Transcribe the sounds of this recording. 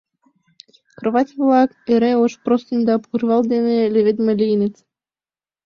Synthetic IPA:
krvɑt̪ʲvlˠɑkeɾʲeoʃprost̪ʲinʲd̪ɑpurvɑlˠd̪ʲenʲelʲevʲed̪ʲmelʲijnʲet͡sʲ

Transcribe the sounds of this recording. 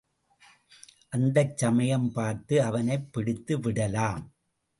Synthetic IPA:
ʔɐnd̪ɐt͡ʃːɐmɐjɐmpaːɾt̪ɯɐʋɐnɐɪpːɪɽɪt̪ːɯʋɪɽɐlaːm

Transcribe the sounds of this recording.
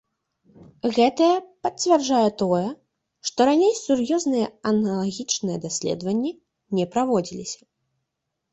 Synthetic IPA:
ɣɛt̪ɐjɐpɐtt͡sʲvʲɛrd͡ʐajɛt̪ɔjɛ | ʂt̪ɔɾanʲejsurjɔznɨjɐɐnɐlˠaɣʲit͡ʂnɨjɛd̪asʲlʲɛ̰d̪vɐnʲːi | nʲɛpɾavɔd͡zʲilʲisʲɐ̥

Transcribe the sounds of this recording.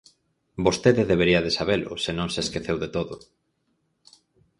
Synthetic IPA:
bost̪eðeðeβ̞eɾiɐðesaβelʊ̰senõŋseskeθewðet̪oðʊ̰

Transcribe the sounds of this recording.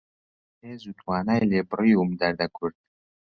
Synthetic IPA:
eːzut̪ʰwɑːnajlebriːumd̪æɾd̪akʰʊɾt̪̚

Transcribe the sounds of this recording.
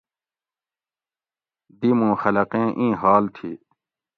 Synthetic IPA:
d̪imũːxɐlɐqẽːʔĩːɦaːlt̪ʰḭː

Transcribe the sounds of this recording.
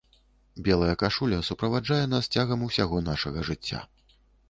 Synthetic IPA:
bʲɛlˠɐjɐkaʂulʲɐsupɾɐvad͡ʐajɛnast͡sʲaɣɐmusʲaɣɔn̪aʂɐɣɐʐɨt͡sʲːa̰

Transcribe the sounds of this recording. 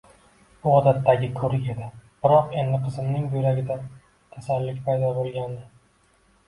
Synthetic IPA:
bʊɒd̪at̪ːaɡʲɪkʰɵɾɪkʲe̞d̪ɪb̥ɪɾɒqe̞nd̪ɪqʰɨzɪmnɪŋbʊjɾaɡʲɪd̪a | t̪ʰasalːɪkʲpʰajd̪ɒbolˠɡʲand̪ɪ

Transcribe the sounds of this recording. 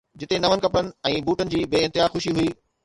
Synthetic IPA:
d͡ʑɪt̪enɐʋənɪkɐpənɪ̆ɛ̃ːbuːʈənɪ̆d͡ʑiːbeːɪ̃nt̪ɪɦaːxʊʃiɦuiː

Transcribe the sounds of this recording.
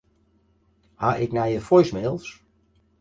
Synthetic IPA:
haʔɪknajəfɔjsmeːlˠs

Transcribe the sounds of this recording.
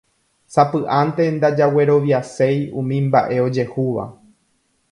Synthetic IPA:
sapɨʔant̪e̞nd̪ad͡ʒawe̞ɾo̞ʋjase̞jũmĩmba̰ʔe̞o̞d͡ʒe̞huʋa̰

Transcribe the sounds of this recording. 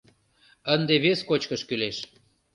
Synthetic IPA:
ənd̪eβeskot͡ɕkəʃkyleʃ

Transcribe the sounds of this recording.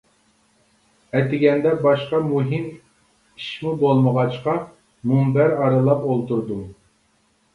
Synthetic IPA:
ɛt̪ɪɡʲɛnd̪ɛbɑʃqɑmuɦim | iʃmubolˠməʁɑt͡ʃqɑ | mumbæɾɑɾɨlˠɑpolˠt̪uɾd̪u

